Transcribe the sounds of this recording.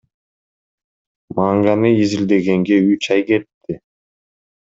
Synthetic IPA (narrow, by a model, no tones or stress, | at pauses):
mɑŋɡɑnɯizild̪e̞ɡe̞ŋɡeyt͡ʃɑjɡe̞t̪ːɪ